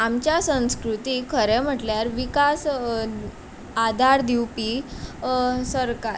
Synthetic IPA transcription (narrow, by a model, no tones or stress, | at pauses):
amt͡ɕjasə̃w̃skɾut̪ikʰəɾɛm̤əʈljaɾʋikas | ad̪ʱaɾd̪iwpi | səɾkaɾ